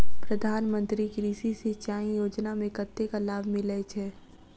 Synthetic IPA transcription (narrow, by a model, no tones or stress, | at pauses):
pɾəd̪ʱaːnmə̃nt̪ɾikɾiːsisit͡ʃaːĩjoːd͡ʒnamẽkət̪ːekalaːbʱmɪlet͡ʃʰɛː